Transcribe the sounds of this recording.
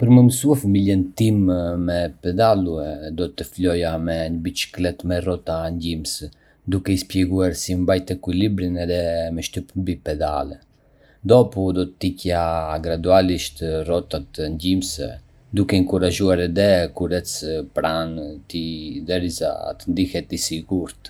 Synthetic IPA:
pəɾməməsuafamiljɛnt̪immɛpɛd̪aluɛd̪ɔt̪əflɔjamɛɲəbit͡ʃi̥klɛt̪mɛrɔt̪aɲɟims | d̪ukɛispjɛɡuaɾsimbajt̪ɛkwilibɾinɛðɛmɛʃt̪ypmbipɛd̪a̰lɛ | d̪ɔpud̪ɔt̪ːicjaɡɾad̪ualiʃt̪rɔt̪at̪əɲɟimsɛ̰ | d̪ukɛŋkuɾaʒuaɾɛd̪ɛkuɾɛt͡spɾant̪id̪ɛɾiza̰t̪ənd̪ihɛt̪isiɡuɾt̪

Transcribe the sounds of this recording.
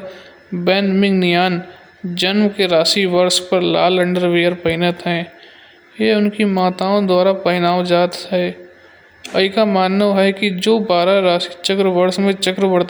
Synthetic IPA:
bɛ̃ːnɖmɪ̃ŋɡnɪjaːn | d͡ʒɐnmkeɾaːʃiʋɐɾspɐɾlaːlɐ̃ɳɖəɾʋeːəɾpɐɪnət̪ɦɛ̃ː | jeʊnkimaːt̪aːõd̪waːɾapɐɦɪnaːwd͡ʒaːt̪ɦɛː | ɐikamaːnːəɦɛkid͡ʒoːbaːɾaɾaːsi̥t͡ʃɐkɾəʋɐɾsmẽt͡ʃɐkɾəbɐɽt̪

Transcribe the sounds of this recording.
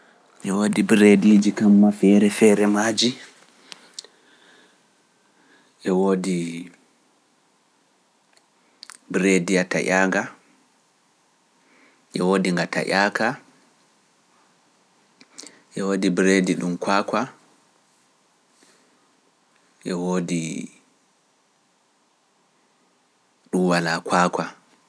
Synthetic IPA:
ʔɛwoːdibɾediːd͡ʒikamːafɛːɾɛfɛɾɛmaːd͡ʒi | ʔɛwoːdi | bɾedijata̰ʔaːŋɡa | ʔɛwoːdiŋɡata̰ʔaːka | ʔɛwoːdibɾediɗumkwaːka | ʔɛwoːdi | ɗumwalakʰwaːkwa

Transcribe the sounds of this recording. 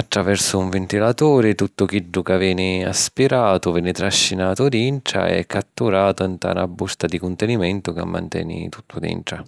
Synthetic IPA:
at̪ːɾavɛrsʊuɱvent̪ilat̪oːɾɪt̪ut̪ːʊk̟iɖːʊkavjɛːnɪaspiɾaːt̪ʊvɛːnɪt̪ɾaʃːinaːt̪ʊd̪inʈ̪ɾa̰ɛ̰kʰːat̪ːuɾaːt̪ʊent̪a̰ːnabːust̪ad̪ikʊnt̪ɛnimɛnt̪ʊka̰mːa̰nt̪ɛ̰ːnḭt̪u̥t̪ʰːʊd̪ḭnʈ̪ɾa

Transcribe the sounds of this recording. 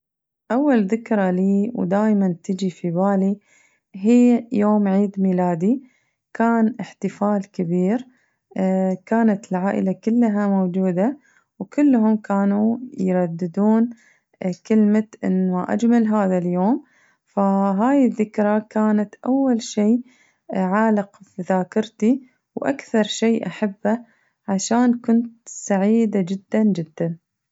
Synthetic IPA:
ʔawːalðɪkɾˤɑliːwd̪aːjmant̪ɪd͡ʒifibaːli | ɦiːjoːmʕiːd̪milaːd̪i | kaːnʔɪħt̪ɪfaːlkɪbiːɾ | kaːnat̪ɪlʕaːʔɪ̰lakɪlːɦamowd͡ʒuːd̪a | wkʊlːɦʊmkaːnujɾˤɑd̪ːɪd̪uːn | kɪlmat̪ʔɪ̰nːmaʔa̰d͡ʒmalɦaːðaljoːm | faɦaːjɪðːɪkɾˤɑkaːnat̪ʔawːalʃiː | ʕaːlɪqbðaːkɪɾt̪i | wʔa̰kθɑɾˤʃeːʔaħabːa | ʕaʃaːnkʊnt̪saʕiːd̪ad͡ʒɪd̪ːand͡ʒɪd̪ːan

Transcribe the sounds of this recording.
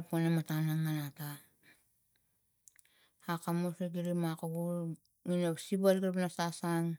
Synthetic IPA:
ponematanaŋːanata | akamoseɡiɾimakaɡu | ŋinosibalɡɾapnasasaŋ

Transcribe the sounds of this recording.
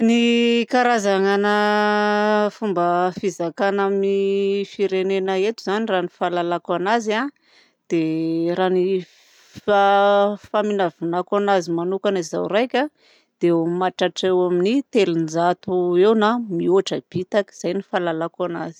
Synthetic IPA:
nikaɾazaŋanə | fumbəfizakanamifiɾenenəet̪uzaniranifalalakwanaza | d̪̥eɾani | fafaminavinakanazimanukaniza̰wrajkʲa | d̪̥emaʈ͡ʂaʈ͡ʂewaminit̪elunzat̪uewnamioaʈ͡ʂəb̥it̪aki̥z̥ajnifalalakana̰zi̥

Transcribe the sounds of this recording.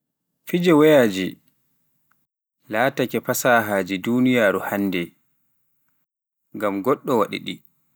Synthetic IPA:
fid͡ʒɛwɛjaːd͡ʒi | laːtakɛpasaːɦaːd͡ʒidunijaːɾuhanːdɛ | ŋɡamɡɔɗːɔwaɗḭɗḭ

